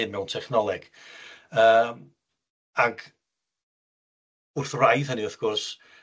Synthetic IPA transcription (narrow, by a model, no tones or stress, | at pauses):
ɪnmɛwntʰɛχnɔlˠɪɡ̥ | əːm | aɡ | ʊrθrajðəniʊθɡ̥ʊrs